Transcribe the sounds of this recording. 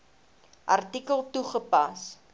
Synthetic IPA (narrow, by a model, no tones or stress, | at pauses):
ʔɐrtikəlˠtuχəpɐs